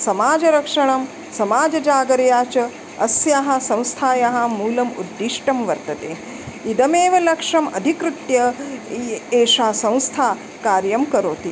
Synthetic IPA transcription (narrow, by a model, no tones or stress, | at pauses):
sɐmaːd͡ʒɐɾɐkʂɐɳɐm | sɐmaːd͡ʒɐd͡ʒaːɡɐɾjaːt͡ʃɐ | ɐsjaːɦɐ̆sɐ̃w̃st̪ʰaːjaɦɐmuːlɐmṵd̪ːiʂʈɐmʋɐɾt̪ɐt̪eː | id̪ɐmeːʋɐlɐkʂɐmɐd̪ʱikɾɨt̪jɐ | eːʃaːsɐ̃w̃st̪ʰaː | kaːɾjɐmkɐɾoːt̪i